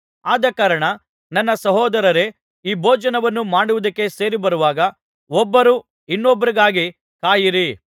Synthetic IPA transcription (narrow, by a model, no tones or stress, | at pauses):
aːd̪ɐkaːɾɐɳɐ | nɐnːɐsɐɦɔːd̪ɐɾɐɾe | iːbʱɔːd͡ʒɐnɐʋɐnːumaːɽuʋud̪ɐkːe̞se̞ːɾibɐɾuʋaːɡɐ | ɔbːɐɾuː | inːɔbːɐɾiɡaːɡi | kaːjiɾi